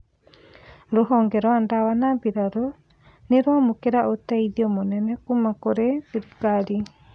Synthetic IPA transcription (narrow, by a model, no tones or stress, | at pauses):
ɾoɦɔːŋɡɛɾɔandawanambiɾaɾo | neɾamokeɾaʔotaiðiɔmonɛnɛkumakoɾesiɾikaɾi